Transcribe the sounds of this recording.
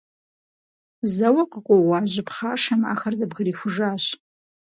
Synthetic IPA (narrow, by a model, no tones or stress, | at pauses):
zawaqʼəqʼowaʒʷɪpʰχaʂama̰χardabʁərifʷʊʐaɕ